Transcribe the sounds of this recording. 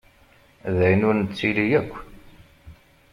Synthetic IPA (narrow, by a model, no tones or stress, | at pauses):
ðæjnʊɾnət͡sːilijækʷː